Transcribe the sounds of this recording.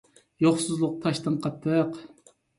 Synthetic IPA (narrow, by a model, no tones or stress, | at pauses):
joχsuzlˠʊq̚t̪ʰɑʃt̪ɨnqʰɑt̪ʰːəq